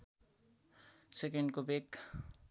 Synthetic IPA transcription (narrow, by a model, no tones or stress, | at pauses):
sek̬eɳɖkobek